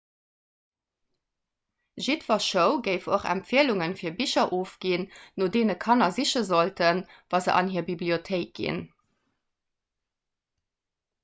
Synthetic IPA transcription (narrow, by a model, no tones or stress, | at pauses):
ʒitvɐʃəʊɡəɪfoχæ̰mpfiəluŋənfiːɐbiɕɐʔoːfɡ̥innoːdeːnəkʰɑnɐziɕəzoltənvɑːzə̰ʔɑ̰nɦiːɐbibliotʰeɪk̚ɡ̥ḭn